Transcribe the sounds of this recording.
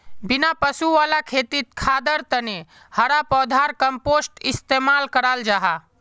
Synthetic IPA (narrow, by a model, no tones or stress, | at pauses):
bɪnapəsuʋaːlakʰeːt̪it̪̚kʰaːd̪əɾt̪əne | həɾapɔːd̪ʱaɾkəmpoːsʈɪst̪emaːlkəɾald͡ʒaːɦa